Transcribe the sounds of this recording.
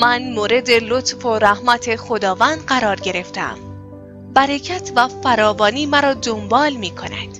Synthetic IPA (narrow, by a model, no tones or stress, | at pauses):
mænmoːɾe̞d̪e̞lot̪foɾæhmæt̪ʰe̞xod̪ɒːvænd̪ɢæɾɒːɾɟe̞ɾe̞ft̪ḛm | bæɾecʰæt̪ʰvæfæɾɒːvɒːniːmæɾɒːd̪ombɒːlmiːkʰo̞næ̰d̪̥